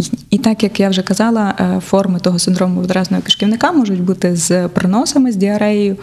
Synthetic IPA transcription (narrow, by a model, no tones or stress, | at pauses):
it̪ɑkjɐkjawʒɛkɐzɑlˠɐfɔrmɪt̪ɔɦɔsɪnd̪ɾɔmʊʋɔd̪ɾɑznɔɦɔkɪ̥ʃkʲiʋnɪkɑmɔʒʊtʲbut̪ɪzpɾɪnɔsɐmɪzʲdʲiɐɾɛjʊ